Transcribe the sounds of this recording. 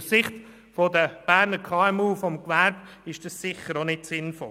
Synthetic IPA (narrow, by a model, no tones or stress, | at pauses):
ssɪχt | fɔdəb̥æːɾnəɾkʰɑːɛmuːfɔmkʋæɾb̥ɪʃd̥ɑssɪχːəɾonɪtsɪnfɔ̰l